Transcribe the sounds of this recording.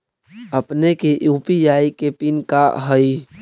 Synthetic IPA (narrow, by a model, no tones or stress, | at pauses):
əpnekeuːpijaːikepinkaɦəi